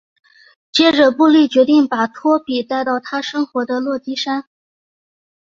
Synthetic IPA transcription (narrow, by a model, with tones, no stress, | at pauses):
t͡ɕjɛ˥ʈ͡ʂə˧pu˥˧li˥˩t͡ɕɥɛ˧˥t̪i˥˩ŋpa˨˩t̪ʰwɔ˥pi˨˩t̪a˥˧ɪt̪ɑ˥˩ʊt̪ʰa˥ʂɤ˥ŋxwɔ˧˥d̪ə˧lwɔ˥˩t̪i˥ʂa˥n